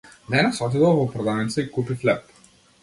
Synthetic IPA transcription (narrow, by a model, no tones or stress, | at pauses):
nɛnasɔt̪id̪ɔlˠvɔpɾɔd̪anit̪səikupiflɛp